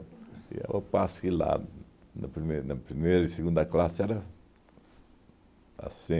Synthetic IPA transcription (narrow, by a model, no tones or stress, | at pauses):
ḭa̰wapaskila̰ | na̰pɾimenapɾimeɾiseɡũnd̪aklaseaɾa | a̰sĩ